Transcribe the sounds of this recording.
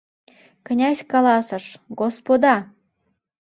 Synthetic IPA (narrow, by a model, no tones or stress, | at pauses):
kə̆nʲæsʲkɑlɑsə̆ʃɡospod̪ɑ